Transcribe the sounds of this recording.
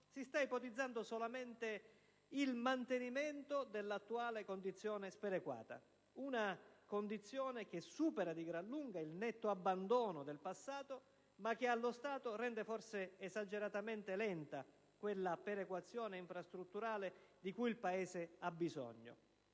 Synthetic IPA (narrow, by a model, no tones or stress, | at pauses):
sist̪aipɔt̪id̪zːand̪osolamɛnt̪e | ilmant̪eniment̪od̪elːat̪ːuaːlekond̪it̪sːjɔːnɪspɛɾekwa̰ːt̪a̰ | unakond̪it̪sːjɔːnek̟ɪsuːpeɾad̪iɡɾalːuŋɡailnɛt̪ːoabːand̪ɔːnod̪elpasːaːt̪o | mak̟ːealːost̪aːt̪orɛnd̪efɔrseːzad͡ʒeɾat̪ament̪ɪlɛnt̪a | kwelːapɛɾekwat̪sːjɔːneiɱfɾast̪ɾut̪ːuɾaːled̪ikujilpaɛːzɪabːizɔ̰ɲːo̰